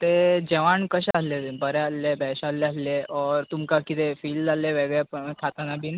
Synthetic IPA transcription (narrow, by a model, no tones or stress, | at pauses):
t̪ed͡ʑɛʋaɳkəɕaslebəɾɛaslebɛɕalːeasleʔɔɾt̪umkakit̪efiːldalːeʋɛɡjapəkʰat̪anabʱina